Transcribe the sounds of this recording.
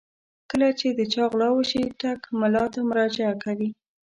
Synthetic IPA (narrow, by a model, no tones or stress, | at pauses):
kəlat͡ʃed̪ət͡ʃɑɣlɑwəʃiʈakmalɑt̪amʊɾɑd͡ʒaakawi